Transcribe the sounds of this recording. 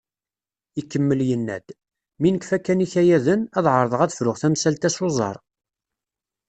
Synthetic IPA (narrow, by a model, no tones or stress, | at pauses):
ikːəmːəljənːæ̰d̪̥ | minəkfækːæniçæjæðənæðʕəɾˤəðˤəʁæðəfɾʊʁθæmsælt̪æsozˤɑ̰ɾˤ